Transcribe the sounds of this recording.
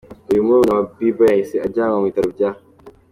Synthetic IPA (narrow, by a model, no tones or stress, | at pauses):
ajumunamabibajasead͡ʒaŋawĩtaɾɨb̚d͡ʒa